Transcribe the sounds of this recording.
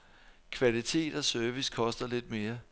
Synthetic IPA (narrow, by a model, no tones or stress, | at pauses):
kʰʋælit͡sʰe̝̰ːd̥ɒ̽sœɐʋiskʰɒ̽sd̥ɐle̝d̥̚me̝ːɐ